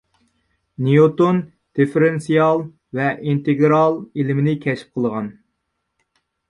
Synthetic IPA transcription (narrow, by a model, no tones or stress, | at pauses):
nijot̪on | d̪̥efeɾensijɑlˠ | vɛʔint̪eɡɾɑlˠelɪmɪnɪkʲʰɛt͡ʃʰi̥p̚qʰəlˠəʁɑn